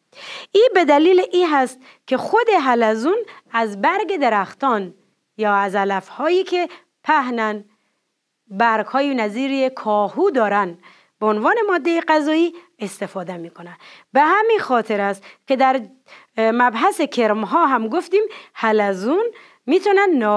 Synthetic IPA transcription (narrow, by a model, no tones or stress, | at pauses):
ʔiːbed̪æliːleʔiːɦæst̪̚ | kʲʰe̞xod̪e̞ɦælæzuːnæzbæɾɡed̪eɾæxt̪ɒːn | jɒːæzælæfhɒːjiːkʰe | pʰæhnæn | bæɾɡhɒːjinæziːɾiekʰɒːhuːd̪ɒːɾæn | b̥eonvɒːne̞mɒːd̪ːejeɡæzɒːiː | est̪efɒːd̪emiːkʰonænbehæminxɒːt̪ʰeɾæst̪kʲed̪æɾ | mæbɦæsekʰeɾmɦɒːɦæmɡoft̪iːmhælæzun | miːt̪ʰɔnænː